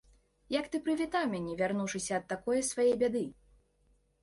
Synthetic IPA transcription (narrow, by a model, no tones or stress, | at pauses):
jɐkt̪ɨpɾɨvʲit̪awmʲanʲɛvʲarnuʂɨsʲɐːt̪ːakɔjɛsvajɛjbʲad̪ɨ